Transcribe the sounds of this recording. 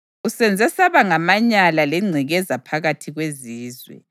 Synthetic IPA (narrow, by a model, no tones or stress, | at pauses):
usɛnd͡zʱɛsaβaŋamaɲalalɛŋ͡ǀʱiɣɛzapʰaɣatʰiɣweziːzwɛ̰